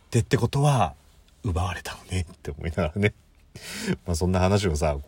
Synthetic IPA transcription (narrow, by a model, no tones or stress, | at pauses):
t̪ːe̞t̪ːe̞ko̞t̪o̞βa | ɯ̟baβaɾe̞̥t̪ʰḁnone̞t̪ːe̞omo̞̰inaɡaɾane̞ | maːsõ̞nːahanaɕ̬ios̬a